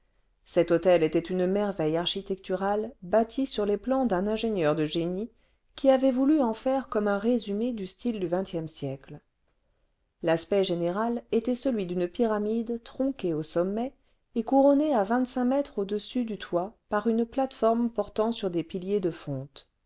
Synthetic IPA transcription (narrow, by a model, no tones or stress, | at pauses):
sɛt̪ot̪ɛlet̪ɛt̪ynmɛʁvɛjaʁʃit̪ɛk̚t̪yʁalbat̪ʰisyʁleplɑ̃d̪ɛ̃nɛ̃ʒenjœʁd̪əʒeni | kʲiavɛvulyɑ̃fɛʁkɔmɛ̃ʁezymed̪yst̪ild̪yvɛ̃t̪jɛmsjɛkl | laspɛʒeneʁalet̪ɛsəlɥid̪ynpiʁamid̪t̪χɔ̃keosɔmːɛ | ekuʁɔneavɛ̃t̪sɛ̃mɛt̪χod̪əsyd̪yt̪ʰwapaʁynplat̪fɔʁmpɔʁt̪ɑ̃syʁd̪epiljed̪əfɔ̃t̪